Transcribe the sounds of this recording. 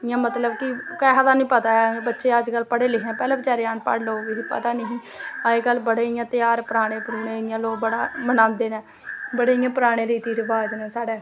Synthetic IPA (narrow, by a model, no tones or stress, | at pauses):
ɪjãːmət̪ləbkɪkəɦat̪aːnĩːpət̪aːɛbətːʃeːəd͡ʒkəlpəɽeːlɪkʰnɛ̃ːpɛːlɛːbət͡ʃaːɾeːaːɳpə̰ɽlooɡeipə̰t̪aːnəɦĩː | aeːkəlbəɽeːɪjãːt̪ɪjaːɾpɾaːɽ̃eːpəɾuːnẽːɪjãːloːɡ̚bəɽaːmənãːnd̪eːnɛ̃ː | bəɽeːɪjãːpɾaːɽ̃eːɾiːt̪iːɾɪʋaːd͡ʒnɛ̃ːsaːɽɛː